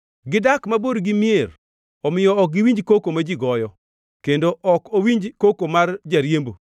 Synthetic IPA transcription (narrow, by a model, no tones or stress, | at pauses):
ɡɪdakmaboɾɡɪmjer | ɔmɪjɔɔk̚ɡɪwiɲd͡ʒkokomad͡ʒiɡɔjɔ | kendoʔɔkowiɲd͡ʒkokomard͡ʒaɾjembo